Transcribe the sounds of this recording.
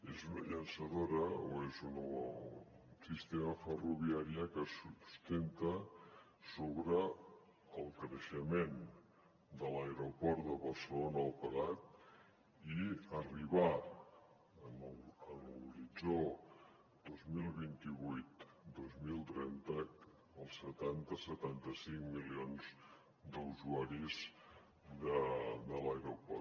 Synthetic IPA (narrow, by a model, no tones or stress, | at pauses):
ezunəʎənsəðoɾəoezun | sist̪emafəruβiaɾiəkəsust̪ent̪ə | soβɾəː | lˠkɾəʃəmen | d̪əlaeɾopɔɾt̪d̪əβɐlsəlonaːlˠpəɣat̪̚ | iəriβa | ənənulɾid͡zo | d̪ozmilˠβint̪iβujt̪d̪ozmilˠt̪ɾɛnt̪ə | əlˠsət̪ant̪əsət̪ant̪əsiŋmilionz | d̪əuzuaɾiz | d̪əd̪əlajɾopɔr